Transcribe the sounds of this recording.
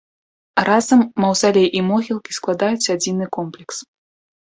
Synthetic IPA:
razɐmːɐwzalʲɛjʔimɔɣʲilˠkʲisklˠad̪ajut͡sʲad͡zʲinɨkɔmplʲɛks

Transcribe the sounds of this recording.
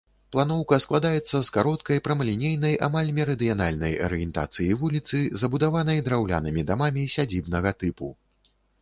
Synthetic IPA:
plˠanɔwkɐsklˠad̪ajɛt̪sːɐskaɾɔt̪̚kɐjpɾɐmɐlʲinʲejnɐjʔa̰malʲmʲɛɾɐd̪ɨjanalʲnɐjɐ̰ɾɨjɛnt̪a̰t̪sɨjivulʲit̪sɨzɐbud̪avanɐjd̪ɾawlʲa̰nɨmʲid̪amamʲisʲad͡zʲibnɐɣɐt̪ɨpu

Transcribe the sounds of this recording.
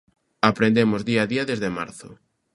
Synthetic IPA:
apɾend̪emʊzðiaðiaðezðema̰ɾθʊ̰

